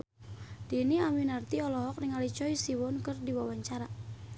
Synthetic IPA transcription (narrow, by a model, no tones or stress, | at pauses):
diniaminart̪iɔlɔɦɔk̚nɪŋalit͡ʃɔisiwɔnkərdiwawaɲt͡ʃaɾa